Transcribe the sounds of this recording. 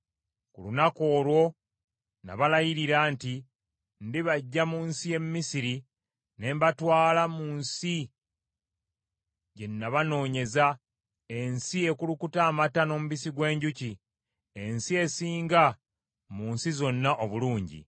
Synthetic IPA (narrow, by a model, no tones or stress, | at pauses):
kulunako̞ːlwo̞ | na̰βalajiɾiɾaːnti | ndiβaɟːamuːnsie̞mmːisiɾi | ne̞mbatwaːlamuːnsi | ɟe̞nːaβano̞ːɲe̞za | e̞nsie̞kulukutaːmatano̞ːmuβisiɡwe̞ːɲɟuci | e̞nsie̞siːŋɡa | muːnsizo̞nːaʔoβuluːɲɟḭ